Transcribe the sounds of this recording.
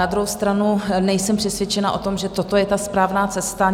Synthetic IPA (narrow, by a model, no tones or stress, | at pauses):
ad̪ɾuɦowst̪ɾanunɛjsɛmpr̥ɛsvjɛt͡ʃɛnaʔo̞t̪o̞mʒɛt̪ot̪o̞jɛt̪aspɾaːvnaːt͡sɛst̪a